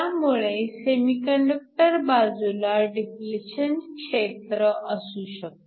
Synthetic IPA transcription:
amuɭesemikəɳɖək̚ʈəɾbad͡zulaɖifleɕənkʂet̪ɾəʔəsuɕək̪̚

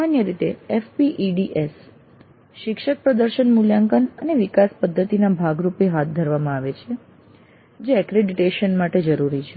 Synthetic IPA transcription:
anjəɾit̪eefpiʔiɖiʔes | ʃɪkʃək̚pɾəd̪əɾʃənmuljaŋkənəneʋikaspəd̪ʱːət̪inabʱaɡɾupeɦat̪̚d̪ʱəɾʋamãaʋet͡ʃʰe | d͡ʒeɛkɾeɖiʈeʃənmaʈed͡ʒəɾuɾit͡ʃʰe

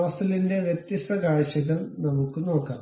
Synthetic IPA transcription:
ʋɐst̪ɐlinde̞ʋjet̪jɐst̪ɐkaːɻɕɐɣɐɭnɐmukːɨno̞ːkːa̰ː

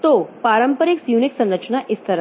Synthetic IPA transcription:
t̪opaɾəmpəɾiksjuniksə̃nɾət͡ʃɳaʔist̪ʰəɾ

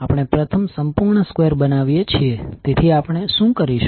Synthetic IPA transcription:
apəɳ̃epɾət̪ʰəmsəmpuɾɳəskʋeɾbənaʋjet͡ʃʰiet̪et̪ʰiapəɳ̃eʃũkəɾiʃ

